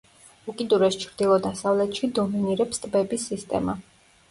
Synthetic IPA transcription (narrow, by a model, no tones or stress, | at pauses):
ukʼid̪uɾɛst͡ʃʰɾd̪ilˠɔd̪asavlɛt̪ʼʃid̪ɔminiɾɛpst̪ʼbɛbisːist̪ʼɛ̰ma̰